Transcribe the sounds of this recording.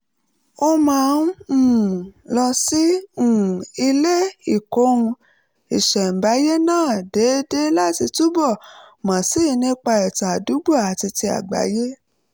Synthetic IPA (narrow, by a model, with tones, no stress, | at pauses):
o˧mã˦˨˧n˦ũ˦˨lɔ˧si˦ũ˨i˧le˦i˦˨ko˨˦ũ˧ | i˨ʃɛ˨m̩˨ba˨˦je˦nãː˦˨de˨˦de˦la˦ti˧tu˦bɔ˦˨mã˨si˦˧nĩ˦k͡pa˧ɛ˨ta˨du˨˦ɡ͡bo˦˨a˨ti˧ti˧a̰˨ɡ͡ba̰˨˦je˦